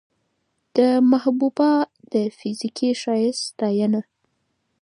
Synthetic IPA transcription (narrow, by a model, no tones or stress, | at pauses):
d̪̥əmahbubɑd̪̥əfizikiʃɑjɪst̪ɑjəna